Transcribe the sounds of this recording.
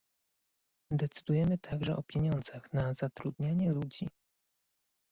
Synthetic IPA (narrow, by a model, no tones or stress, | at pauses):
d̪ɛt̪sɘ̥d̪ujɛmɘt̪ʰaɡʐɛʔɔpʲjeɲɔnd̪zaxnazat̪ɾud̪ɲaɲɛlud͡ʑi